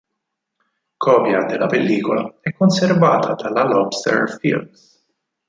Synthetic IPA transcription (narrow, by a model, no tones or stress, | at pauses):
kʰɔːpjɐd̪ɛlːɐpɛlːiːkɔlɐɛkːɔnsɛɾvɐːt̪ʰɐt̪ɐlɐlɔpst̪ɛ̰ɾfɪ̰lms